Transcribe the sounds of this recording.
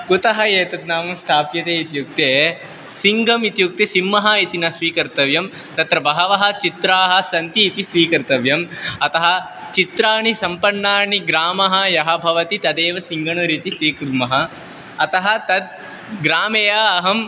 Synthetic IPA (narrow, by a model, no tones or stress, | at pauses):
kut̪ɐɦɐjeːt̪ɐd̪naːmɐmst̪ʰaːpjɐt̪eːit̪juk̚t̪eː | siŋɡʱɐmit̪juk̚t̪esimːɐɦɐit̪inɐsʋiːkɐɾt̪ɐʋjɐm | t̪ɐt̪ɾɐbɐɦɐʋɐɦɐ̆t͡ʃit̪ɾaːɦɐ̆sɐnt̪iːt̪isʋiːkɐɾt̪ɐʋjɐmɐt̪ɐɦɐ̆ | t͡ʃit̪ɾaːɳisɐmpɐɳːaːɳiɡɾaːmɐɦɐjɐɦɐbʱɐʋɐt̪it̪ɐd̪eːʋɐsiŋɡɐɳuɾiːt̪iʃɾiːkuɾmɐɦɐː | t̪ɐɦɐ̆t̪ɐd̪̚ | ɡɾaːmejaːɦɐm